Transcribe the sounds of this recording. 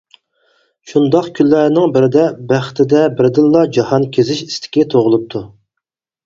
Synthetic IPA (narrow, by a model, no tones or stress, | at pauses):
ʃund̪ɑqkʲʰylːæɾnɪŋbɪɾɪd̪ɛbæχt̪ʰɪd̪ɛbɪɾd̪ɪlːɑd͡ʒɑhɑnkʲʰezɪʃi̥st̪ʰɪ̥kʲit̪ʰoʁʊlˠup̚t̪ʰu